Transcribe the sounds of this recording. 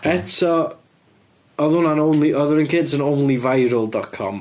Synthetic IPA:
ɛtʰɔ | ɔðʊnanownlˠiɔðəɾənkʰɪntʰənownlˠivajɾʊlˠdɔkʰɔ̰m

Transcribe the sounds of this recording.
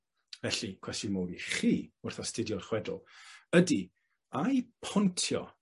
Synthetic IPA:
vɛɬikʰwɛstjʊnmowdiχiːʊrθastɪdjɔrχwɛdʊ̰lˠədi | ajpʰɔntʰjɔ̰

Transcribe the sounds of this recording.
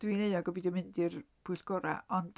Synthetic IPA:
d̥wineɨɔɡɔbiːdəmɪndɨrpʰuʊɨɬɡ̥ɔɾa̰ʔɔnd̥

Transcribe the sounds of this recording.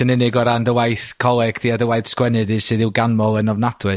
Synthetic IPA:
ənɪnɨɡɔɾandəwajθkʰɔlˠɛɡ̥diadəwajθskwɛnɨdɨsɨːðɪwɡanmɔlˠənɔvnad̥wɨ

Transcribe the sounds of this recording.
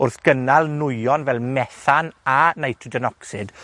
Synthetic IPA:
ʊrθɡ̥ənalˠnʊjɔnvɛlˠmɛθananajtʰɪdɔnɔksɪd̥

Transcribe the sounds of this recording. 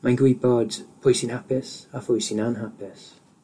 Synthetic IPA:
majɡɹiːbɔdpʰɔjsɪ̃nhapɛsafɔjsinanɦapɛs

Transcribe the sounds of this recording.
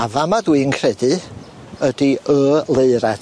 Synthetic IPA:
avamaðwiːənkʰrɛdɨ | ədiəːlˠeɨɾad̥

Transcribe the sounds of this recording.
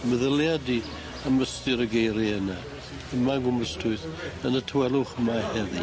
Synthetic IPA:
məðəljadi | aməstɪɾəɡejɾiəna | əmaɡʊməstʰʊɨθənətʰəwɛlˠʊχəmahɛði

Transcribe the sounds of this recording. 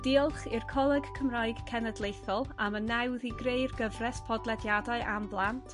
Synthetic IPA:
d̥iːlˠχɪrkʰɔlˠəɡkʰəmrajɡ̥kʰɛnədlˠejθɔlˠamənːɛwðiɡrejrɡəvrɛspʰɔdlˠɛdjadaɨʔamblˠantʰ

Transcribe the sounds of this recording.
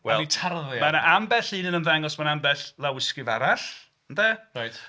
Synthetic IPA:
waɛitʰarðmanaʔambɛɬɨnənənðɛŋɔsmanambɛɬlˠawɪskɨvaɾaɬ | ndɛrajt

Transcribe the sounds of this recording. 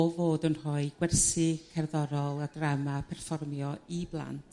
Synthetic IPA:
ovoːdənrɔɨɡ̥wɛrsɪkʰɛrðɔɾɔlˠadramapʰɛrfɔrmjɔiblˠa̰ntʰ

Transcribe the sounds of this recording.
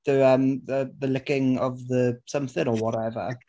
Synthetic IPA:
ðəəmðəðəlɪkɪ̃ŋəvðəsʌ̃mθɪ̃ŋəwɔɾɛvə̰

